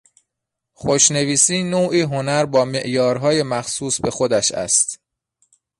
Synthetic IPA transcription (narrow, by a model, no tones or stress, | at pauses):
xoʃne̞viːsiːnoːʔiːɦo̞næɾbɒːme̞ʔjɒːɾɦɒːje̞mæxsuːsbe̞xod̪æʃæ̰st̪